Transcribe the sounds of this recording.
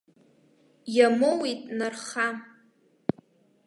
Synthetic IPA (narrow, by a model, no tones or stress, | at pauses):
jamowitʼnarχa